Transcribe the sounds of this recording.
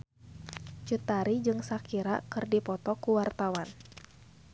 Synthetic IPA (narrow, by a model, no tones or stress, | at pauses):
t͡ʃut̪aɾid͡ʒɨŋsakiɾakɨrdipɔt̪ɔkuwart̪awan